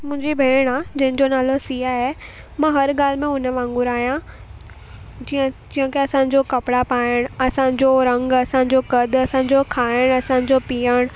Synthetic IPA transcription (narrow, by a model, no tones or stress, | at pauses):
mʊ̃ɦɪ̃ɲd͡ʑibʱeːɽ̃ad͡ʑɐ̃ɦɪ̃nd͡ʑonaːlosiːɦaɦe | mãːɦɐɾɡaːl̤mẽʊnəʋãːŋɡʊɾaːɦijã | d͡ʑiə̃d͡ʑiːə̃keɐsãːɲ̆d͡ʑokɐpɽapaːəɽ̃ɐsã̆d͡ʑoɾɐ̃ŋɡɐsãːɲ̆d͡ʑokɐd̪ʱɐsãːɲ̆d͡ʑokʰaːɪəɽ̃ɐsãːɲ̆d͡ʑopiːəɽ̃